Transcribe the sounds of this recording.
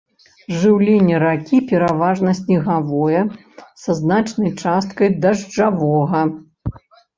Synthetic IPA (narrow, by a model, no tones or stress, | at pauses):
ʐɨwlʲenʲːɐɾakʲipʲɛɾavaʐnɐsʲnʲiɣavɔjɐ | sɐznat͡ʂnɐjt͡ʂast̪kɐjd̪ɐʐd͡ʐavɔɣɐ